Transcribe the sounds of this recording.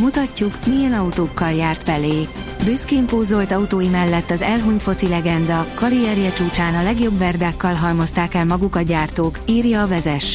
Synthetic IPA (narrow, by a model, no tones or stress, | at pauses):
mut̪ɒcːukmijɛnɒut̪oːkːɒljaːrt̪fɛleː | byskeːmpoːzolt̪ɒut̪oːjimɛlːɛt̪ːɒzɛlɦuɲt̪fo̞t̪silɛɡɛnd̪ɒkɒɾijɛɾjɛt͡ʃuːt͡ʃaːnɒlɛɡjo̞bːɛrd̪aːkːɒlɦɒlmo̞st̪aːkɛlmɒɡukɒɟaːrt̪oːkiːrjɒːvɛzɛʃ